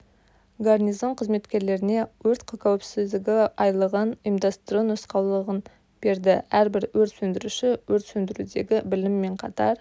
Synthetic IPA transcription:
ɡarnijzo̞ɴqʰəzme̞t̪kʲe̞ɾle̞ɾɪne̞wɵɾt̪qʰɑkʲʰæwɪpsɪzd̪ɪɡʲɪɑjlˠəʁənimd̪ɑst̪ɾonosqɑwlˠəʁən | b̥e̞ɾd̪ɪæɾbɪɾwɵɾt̪sɵnd̪ɪɾuʃɪwɵɾt̪sɵnd̪ɪɾud̪e̞ɡʲɪbɪlɪmːe̞ɴqʰɑt̪ɑɾ

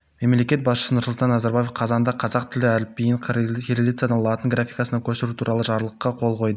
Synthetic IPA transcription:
me̞mle̞kʲe̞t̪̚bɑsʃə̥sənʊɾsʊlˠt̪ɑnːɑzaɾbaje̞fqʰɑzɑnd̪ɑqʰɑzɑqt̪ʰɪlɪæɾɪp̚ːejɪɴeɾʲelʲit̪sjad̪ɑnlˠɑt̪əŋɡɾafʲijkɑsənɑkʲʰɵsɪɾut̪ʰuɾɑlˠəʒɑɾlˠəqːɑqʰo̞lˠqʰo̞jd̪ə

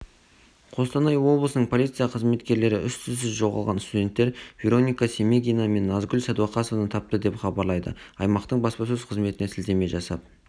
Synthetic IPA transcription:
qʰo̞st̪ɑnɑjwo̞blˠəsənəɴpʰo̞lʲijt̪sɨijaqʰəzme̞t̪kʲe̞ɾle̞ɾɪʔʏst̪ɪzsɪzʒo̞ʁɑ̰lˠʁɑnst̪ud̪ʲe̞nt̪ːe̞ɾv̥ʲeɾo̞nʲijkasʲemeɡʲijname̞nːɑzɡʲʏlsæd̪uɑqɑsovnət̪ʰɑp̚t̪əd̪e̞pχɑbɑɾlˠɑjd̪ə̰ɑjmɑqt̪əɴbɑspɑs̬ɵz̥qʰəzme̞t̪ɪne̞sʰɪld̪e̞me̞ʒɑsɑp

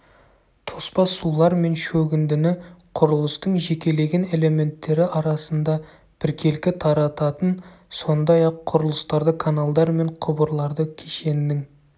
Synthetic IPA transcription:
t̪ʰo̞spɑsulˠɑɾme̞nʃɵɡʲɪnd̪ɪnɪqʰʊɾəlˠəst̪əɴʒe̞kʲe̞le̞ɡʲe̞ne̞le̞me̞nt̪ːe̞ɾɪʔɑɾɑsənd̪ɑ | b̥ɪɾkʲʰe̞lkʲɪt̪ʰɑɾɑt̪ɑt̪ənso̞nd̪ɑjɑqʰːʊɾəlˠəst̪ɑɾd̪əkʰanalˠd̪ɑɾme̞ɴqʰʊbəɾlˠɑɾd̪əkʲʰeʃe̞nːɪŋ

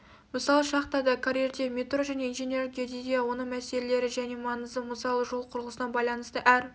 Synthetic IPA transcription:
məsɑlˠəʃɑqt̪ɑd̪ɑkʰaɾerd̪emʲet̪roʒæne̞ijnʒe̞nʲerɡʲed̪ed̪jɑwo̞nəɴmæse̞lele̞ɾɪʒæne̞mɑnəzəməsɑlˠəʒo̞lˠqʰʊɾəlˠəsənɑnbɑjlˠɑnəst̪əʔæɾ

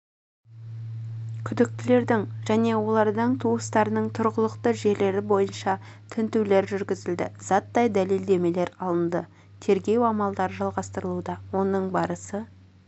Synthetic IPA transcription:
kʲʰʏd̪ɪk̚t̪ɪle̞ɾd̪ɪŋʒæne̞wo̞lˠɑɾd̪əɴt̪ʰuwəst̪ɑɾənəɴt̪ʰʊɾʁəlˠəqt̪əʒe̞ɾle̞ɾɪbo̞jənʃɑ | t̪ʰɪnt̪uwle̞ɾʒʏɾɡʲɪzɪld̪ɪ̰z̥ɑt̪ːɑjd̪æle̞ld̪e̞me̞le̞ɾɑlˠənd̪ə | t̪ʰe̞ɾɡʲe̞wɑmɑlˠd̪ɑɾəʒɑlˠʁɑst̪əɾəlˠud̪ɑwo̞nəɴbɑɾəsə

